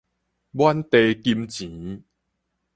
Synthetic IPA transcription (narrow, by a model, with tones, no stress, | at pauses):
bwa˧˦nt̪e˨ki˧mt͡ɕĩ˨˦